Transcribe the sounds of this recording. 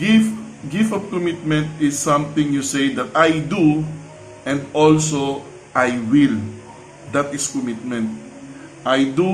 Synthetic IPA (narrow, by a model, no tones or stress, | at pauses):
ɡifɡɪft̪ɔvkɔmit̪̚mɛ̃nt̪ɪsːãmt̪ɪ̃ŋjusejd̪at̪ajd̪u | ʔɛ̃nd̪olso | ʔajwɪl | d̪at̪ɪskɔmɪt̪̚mɛ̃nt̪̚ | ʔajd̪u